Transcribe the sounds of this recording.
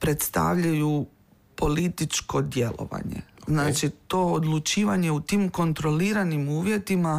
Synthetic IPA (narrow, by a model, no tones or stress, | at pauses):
pɾet̪st̪a̰ʋʎaju | po̞lit̪it͡ʃko̞d̪je̞lˠo̰ʋa̰ɲḛznaːt͡ʃit̪o̞ːod̪lut͡ʃiːʋaɲe̞ut̪iːmko̞nt̪ɾo̞liːɾanimuːʋje̞t̪ima